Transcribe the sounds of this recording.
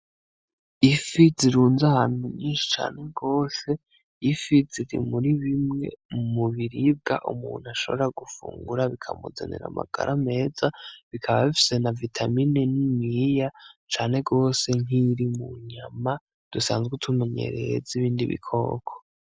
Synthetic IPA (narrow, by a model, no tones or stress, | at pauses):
ifiziɾuːnzahaːn̥huɲiːnʃi̥t͡ʃa̰ːne̞ɡo̞ːse̞ | ifiziɾḭmuɾiβimŋe̞̰muβiɾib̚ɡa̰ʔumuːn̥uaʃo̞̰βeɾaɡufṵːŋɡuɾaβikʰa̰mṵzḛnḛɾa̰ma̰ɡ̥a̰ɾʔame̞ːd͡zaβikʰaβaβifi̥se̞navitʰaminenimijat͡ʃaːne̞ɡo̞ːse̞ŋ̥iɾimuɲama | d̥usaːnzɡetʰume̞ɲe̞̰ɾe̞ziβiːndiβḭkʰo̞̰kʰo̥